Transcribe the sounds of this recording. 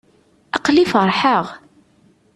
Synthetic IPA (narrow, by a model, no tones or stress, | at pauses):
ɑqlifəɾˤħəʁ